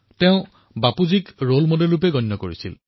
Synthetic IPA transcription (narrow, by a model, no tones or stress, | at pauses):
teʊ̃ | bapuzikɹolmodelupeɡɔnːɔkoɹisil